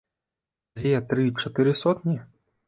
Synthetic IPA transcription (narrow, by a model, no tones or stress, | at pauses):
zʲvʲɛt̪ɾɨt͡ʂɐt̪ɨɾɨsɔt̪nʲi